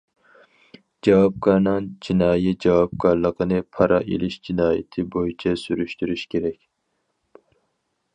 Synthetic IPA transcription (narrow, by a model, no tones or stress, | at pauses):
d͡ʒɑwɑp̚kɑɾnɑnd͡ʒinɑːjɛt̪̚d͡ʒɑwɑp̚kʰɑɾlˠəqʰənɨpʰɑɾʔɑʔḛlɪʃd͡ʒinɑːjɪ̰t̪ʰɪbojit͡ʃʰɛsyɾyʃt̪yɾyʃkʲʰeɾɛkʲ